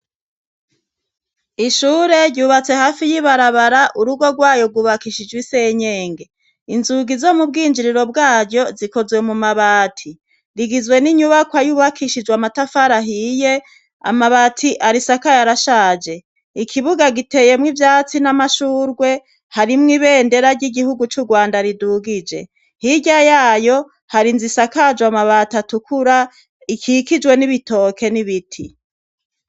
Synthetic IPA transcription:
iʃuːɾe̞ɾɟuːβat͡se̞haːfijiβaɾaβaɾaʔuɾuɡo̞ɡwaːjo̞ɡuβakiʃid͡ʒwiseɲe̞ːŋɡe̞ | inzuɡizo̞mubɡiːnd͡ʒiɾiɾo̞b̚ɡaːɾɟo̞ziko̞zwe̞mumaβaːtʰi | ɾiɡizwe̞niɲuβakwajuβakʰiʃid͡ʒwamatafaɾaɦije̞ | a̰maβaːtʰiʔaɾisakajaɾaʃaːd͡ʒe̞ | ikʰiβuɡaɡite̞je̞mŋivjaːt͡sinamaʃuːɾɡwe̞ | haɾimŋiβe̞ːnde̞ɾaɾɟiɡihuɡut͡ʃuɡwaːndaɾiduːɡid͡ʒe̞̰ | hiɟajaːjo̞ | haɾinzisakad͡ʒwamaβatatukuɾa | ikʰikid͡ʒwe̞niβito̞ːkʰe̞niβitʰi

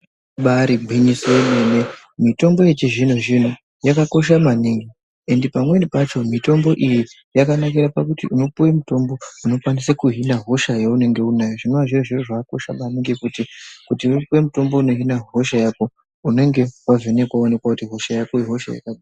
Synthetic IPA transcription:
ɓaɾiɡʱwinisemene | mito̞mbo̞e̞t͡ʃeʐinuʒin̤u | jakako̞ʃ̬amaniŋɡi | e̞nde̞pamwenipat͡ʃo̞mito̞mbo̞ʔiji | jakanakiɾapakutiʔuno̞puwemuto̞mbo̞uno̞kwanisekuɦinaɦo̞ʃajaune̞ŋɡe̞unajoʐinoaʐioʐiroʐaako̞ʃa̰maniŋɡikutikutiuopuwemuto̞mbo̞uno̞ɦinaɦo̞ʃajako̞ | une̞ŋɡe̞wavene̞kwaone̞kwakutiɦo̞ʃajakoiɦo̞ʃa̰ja̰kaɗaa

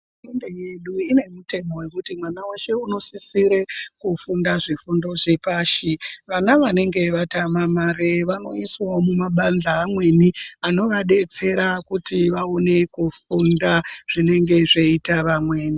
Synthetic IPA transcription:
mendeje̞ɗuine̞mute̞mo̞we̞kutimwanaweʃe̞uno̞sisiɾe̞kufundaʐifundo̞ʐepaːʃiʋanaʋane̞ŋɡe̞ʋatamamaɾeʋano̞iswaomumaɓand͡ɮaːmwe̞niano̞ʋaɗe̞t͡se̞ɾakutiʋaone̞kufundaʐ̥ine̞ŋɡe̞ʐeitaʋamweːni

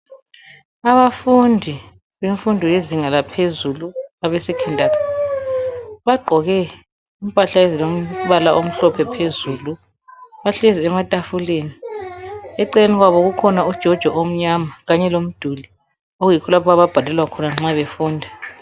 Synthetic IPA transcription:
aβafundʱi | βeɱfundʱɔjeziŋalapʰezuluaβɛsɛkʰɛntʼatʰḁ | βaɡ͡ǃʱɔɣɛ | impʼaɬaɛzilom̩βalaʔom̩ɬɔpʰɛpʰezuːlu | βaɬeziɛmatʼafuleːni | ɛǀɛeniɣwaβɔɣukʰɔnaud̥ʒ̥ʱɔd̥ʒ̥ʱwɔʔom̩ɲamaɣaɲɛlom̩d̥ʱuli | oɣujikʰɔlapʰɔaβab̥ʱalɛlwakʰɔnaŋ͡ǁaβefuːndʱa

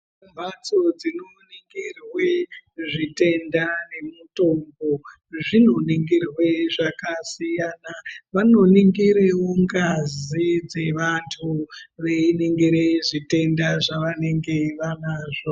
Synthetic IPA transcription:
mbʱat͡sod͡zinoniŋɡirweʐite̞ndane̞muto̞mbo | ʐinoniŋɡirwe̞ʐakasijanaʋano̞niŋɡiɾewoŋɡazid͡ze̞ʋantʰuʋeineŋɡeɾeʐite̞ndaʐaʋane̞ŋɡe̞ʋanaʐo

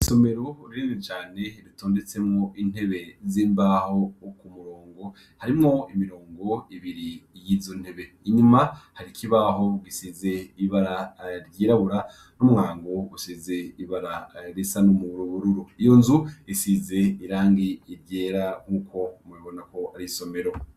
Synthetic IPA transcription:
iso̞me̞ɾoɾiɾinit͡ʃaːne̞ɾitoːnde̞t͡se̞mŋo̞ʔin̥he̞βe̞ziːmbaho̞kumuɾoːŋɡo̞ | haɾimŋo̞imiɾo̞ːŋɡo̞iβiɾijiːzon̥he̞βe̞ | iɲumahaɾikʰiβaɦo̞ɡisize̞iβaɾaɾɟiːɾaβuɾa | numuŋaːŋɡousizeiβaɾaɾisanomuɾuβuɾuɾuijo̞nzuisize̞iɾaːŋɡiːɾɟe̞ːɾaŋ̥uːkʰo̞meβo̞nako̞aɾiso̞me̞ɾo̞

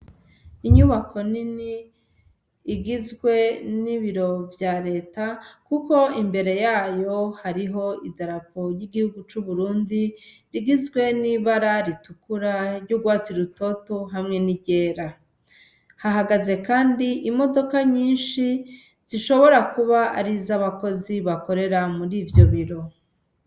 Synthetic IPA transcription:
iɲuβakʰo̞nini | ɡizɡwe̞niβiɾo̞vjaɾe̞ːtakuko̞imbe̞ɾe̞jaːjo̞haɾiɦo̞idaɾako̞ɾjiɡihuɡut͡ʃuβuɾuːndiɾiɡizɡwe̞niβaɾaɾitukuɾaɾɟuɡwaːt͡siɾuto̞toɦamŋe̞niɟe̞ːɾa | haɦaɡaze̞kaːndiʔimo̞do̞kaɲiːnʃi | z̥iʃo̞βo̞ɾakuβaʔaɾizaβako̞ziβako̞ɾe̞ɾamuɾivjo̞βiɾo̞

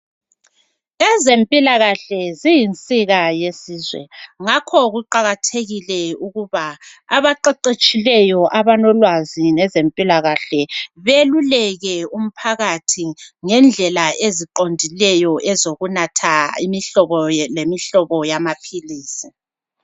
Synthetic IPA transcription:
ɛzempʼilaɣaɬɛzijint͡sʼiɣajesiːzwɛ̰ŋakʰɔɣuǃaɣatʰeɣilɛuɣuβaːβaǃeǃet͡ʃʼilɛjɔʔaβanɔlwazinɛzempʼilaɣaɬɛβelulɛɣɛum̩pʰaɣatʰiŋɛnd͡ɮʱɛlaeziǃondʱilɛjɔʔɛzoɣunatʰaḭmiɬɔβɔlemiɬɔβɔjamapʰiliːsi

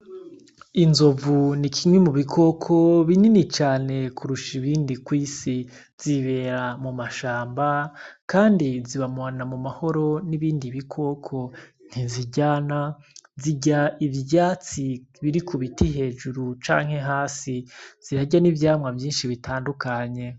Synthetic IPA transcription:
inzovunikʰimwemuβikʰo̞kʰo̞βininit͡ʃaːne̞kʰuɾuʃiβiːndikwiːsi | z̥iβe̞ːɾamumaʃaːmbakaːndiziβamoanamumaho̞ɾo̞niβiːndiβikʰo̞kʰo̞n̥hiziɟaːnaziɟaivaːt͡siβiɾikuβitiɦe̞ːd͡ʒuɾut͡ʃa̰ːŋ̥he̞ɦaːsiz̥iɾaɟanivjaːmŋavjiːnʃiβitʰaːndukaɲe̞

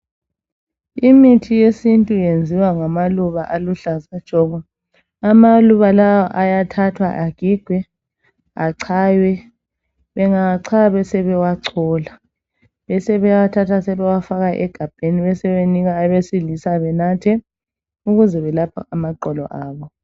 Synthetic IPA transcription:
imitʰijesintʼujend͡zʱiwaŋamaluβaʔaluɬazad̥ʒ̥ʱɔɣɔ | amaluβalawɔʔajatʰatʰwa̰ʔaɡ̥ʱiɡ̥ʱwɛ | aǀʰajwɛ | βɛŋaǀʰaβɛsɛβɛwaǀʰɔːla | βɛsɛβɛwatʰatʰasɛβɛwafaɣaʔɛɡ̥ʱab̥ʱeniβɛsɛβeniɣaːβesilisaβɛnatʰɛ | uɣuzɛβɛlapʰa̰amaǃɔlɔ̰ʔaːβɔ

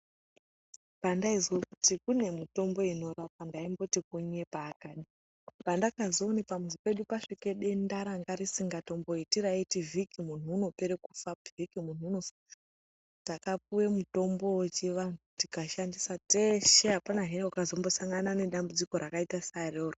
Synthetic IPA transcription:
pandaizwekutikune̞mito̞mbo̞ino̞rap̚andaimbo̞tik̚uɲe̞paːkaːɗi | pandakazoːnipamuzipe̞ɗupaʂike̞ɗendaɾaŋɡaɾisiŋɡato̞mbo̞itiɾaitivikimun̤uːno̞pe̞ɾekufavikimun̤uːno̞fa | takap̚uwe̞muto̞mbo̞wet͡ʃeʋanutikaʃandisateʃeɦapanaɦenwakazo̞mbo̞saŋɡanane̞ɗambud͡ziko̞ɾakaitasaroːro

